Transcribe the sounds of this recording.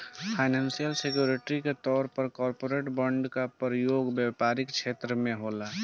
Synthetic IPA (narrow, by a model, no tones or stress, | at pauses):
pʰaːɪnɛ̃ːnsijəlsekjuːɾeʈɾiket̪ɔːɾpəɾkɔːɾpoːɾeːʈbə̃ɳɖkapɾəjoːɡbjɛpaːɾɪkt͡ʃʰeːt̪ɾəmẽɦoːla